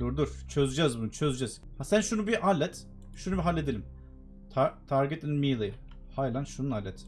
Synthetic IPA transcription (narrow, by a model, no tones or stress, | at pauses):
d̪uɾd̪uɾ̥t͡ʃʰøzyd͡ʒɛzbunut͡ʃʰø̞zyd͡ʒɛz̥ | hasænʃunubiʔalʲːɛt̪ | ʃunubiɦalʲːed̪elʲim | t̪ʰat̪ʰaɾɡɛt̪ininmiːlˠɯj | hajlʲˠanʃununalʲːɛt̪